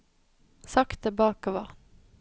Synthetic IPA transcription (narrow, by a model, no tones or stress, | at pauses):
sɑkt̪̚əbɑːkəʋɑ